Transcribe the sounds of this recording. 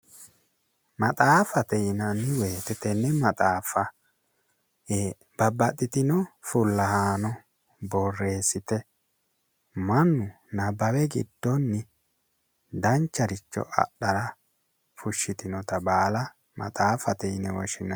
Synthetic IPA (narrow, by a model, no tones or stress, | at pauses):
mɐt̪ʼaːfɐt̪ɛjɪnɐnːɪweːt̪ɛt̪ɛnːɛmɐt̪ʼaːfɐ | eː | b̥ɐbːɐt̪ʼːɪt̪ɪnɔfʊlːɐhaːnɔ | bɔrːe̞ːsɪt̪ɛ | mɐnːʊ | nɐbɐwɛɡɪ̰d̪̥ːɔnːɪ | d̪ɐnt͡ʃːɐɾɪt͡ʃːɔ̰ʔɐ̰ɗːɐɾɐ | fʊʃːɪt̪ɪnɔt̪ɐbaːlɐ | mɐ̰t̪ʼaːfɐt̪ɛjnɛwɔʃɪnɐ